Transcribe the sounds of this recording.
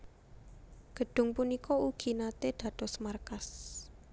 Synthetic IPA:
ɡ̥ə̤ɖ̥ʊ̤ŋpunikɔuɡ̥i̤nat̪ed̪̥ä̤d̪̥ɔsmarkas

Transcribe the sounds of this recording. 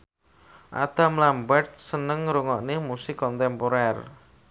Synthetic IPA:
ʔa̰d̪̥a̤mlambɛrt̪̚sənəŋɾuŋɔʔnemusɪkːɔnt̪ɛmpoɾɛr

